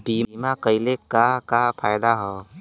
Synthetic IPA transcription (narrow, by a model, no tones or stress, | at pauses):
biːmakəɪlekakapʰaːjd̪aɦoː